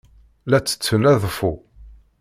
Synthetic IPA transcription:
læt͡sːə̥t͡sːənæðˤfu

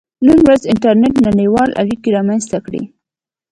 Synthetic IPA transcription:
numwɾazɪnʈaɾneʈnaɽəjwɑlʔa̰ɽikiɾɑmanzt̪akɽḭ

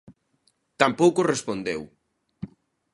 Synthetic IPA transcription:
t̪ampowkorespond̪ew

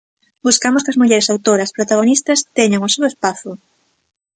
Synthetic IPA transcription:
buskamʊskɐzmuʎɛɾesawt̪oɾɐspɾot̪aɣ̞onist̪ɐst̪ɛɲaŋosewespaθʊ

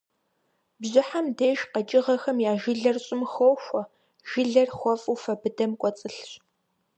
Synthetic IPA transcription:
bʑɪħamdeːʒqɐt͡ʃʼɪʁɐxɐmjaːʒɪɮɐrɕʼɪmxoːwxʷɔ | ʒ̥ɪɮɐrxʷɔfʼufɐbɨdɐmkʷʼɔt͡sʼɨɬɕʼ

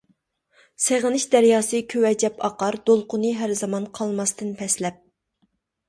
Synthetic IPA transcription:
seʁɨnɨʃd̪æɾjɑːsɨkʲʰøwɛd͡ʒɛpɑqɑɾd̪̥olˠqʊnɨɦæɾzɑmɑnqʰɑlˠmɑst̪ɨnpʰɛslɛp̚

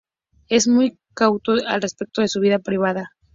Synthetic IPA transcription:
e̞zmuj | kawt̪oalrespek̚t̪o̞ðe̞suβ̞iðapɾiβ̞aða

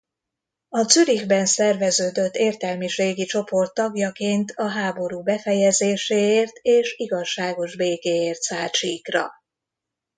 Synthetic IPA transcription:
ɒt̪syɾiɣbɛnsɛrvɛzøːd̪øt̪ːeːrt̪ɛlmiʃeːɡit͡ʃo̞po̞rt̪ːɒɡjɒkeːnt̪ʰɒɦaːbo̞ɾuːbɛfɛjɛzeːʃeːeːrt̪ʰeːʃiɡɒʃːaːɡo̞ʒbeːkeːeːrt̪saːt͡ʃiːkrɒ̰

